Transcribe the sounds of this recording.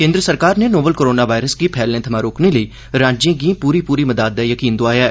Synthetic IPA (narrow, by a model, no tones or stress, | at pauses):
kẽːnd̪ɾəsəɾkaːɾnenoːbəlkoɾoːnaʋaːɪɾəskipʰɛːlːẽt̪ʰɐmãːɾoːkneləi | ɾãːd͡ʒẽːɡĩpuːɾipuːɾiməd̪aːd̪̚ːɛjəkiːnd̪ʊaːjaː